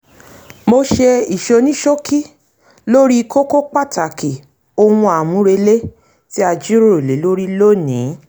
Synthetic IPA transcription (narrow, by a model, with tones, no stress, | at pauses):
mo˧ʃe˧i˨ʃo˧nĩ˦ʃo˦kʰi˦ | lo˦ɾi˦˧kʰo˦ko˦k͡pa˦˨tʰa˨ki˨ | o˧wũ˧a˨mũ˨˦ɾe˧le˦ | ti˦a˧d͡ʒi˦ɾo˦˨e˨le˨˦lo˦ɾi˦lo˦nĩ˨˦